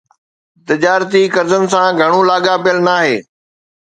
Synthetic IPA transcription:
t̪ɪd͡ʑaːɾt̪ikɐɾzənɪ̆s̬ãɡʱɐɽ̃ulaːɠapijəlnaːɦeː

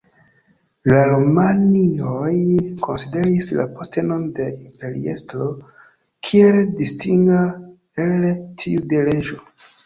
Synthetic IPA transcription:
laɾomaniojkʰo̞nside̞ɾisla̰poste̞no̞nde̞impe̞ɾḭestɾo̞ | kʰie̞ldistiŋɡa | eltʰiude̞le̞d͡ʒo̞

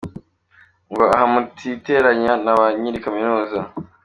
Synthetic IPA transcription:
ŋɡo̞ahamutʰite̞ɾaɲanaβaɲiɾikaminuːza

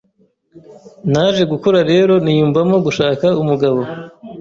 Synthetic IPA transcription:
naʒe̞ɡukoɾaɾe̞ːɾo̞nijuːmvamo̞ɡuʃaːkaumuɡaβo̞

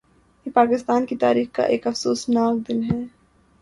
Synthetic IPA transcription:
jepaːkɪst̪aːnkit̪a̰ːɾiːxka̰ʔḛːkɐfsoːsnaːk̚d̪ɪnɦɛː

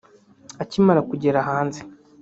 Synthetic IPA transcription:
acimaɾakuɟe̞ɾaɦaːnze

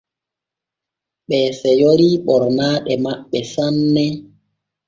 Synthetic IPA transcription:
ɓɛːsɛjoɾiɓɔɾnaːɗɛmaɓːɛsanːɛ

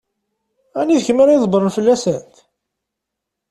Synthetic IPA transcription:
æniðçəməɾiðˤbəɾˤənfəlːæsənt̪

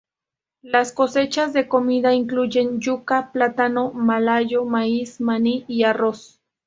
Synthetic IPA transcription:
laskose̞t͡ʃazd̪e̞komiðaiŋkluʝe̞njukaplat̪anomalajomaismaniiaros

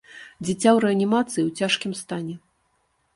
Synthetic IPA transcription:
d͡zʲit͡sʲawɾɛɐnʲimat̪sɨjiwt͡sʲaʂkʲimst̪anʲɛ

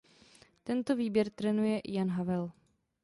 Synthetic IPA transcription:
t̪ɛnt̪oviːbjɛɾt̪ɾɛnujɛʔjanɦavɛl

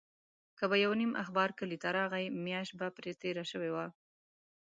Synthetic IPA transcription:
kəbajawnimʔa̰xbɑɾkəlit̪aɾɑɣajmjɑʃt̪̚bapɾet̪eɾaʃəwewa

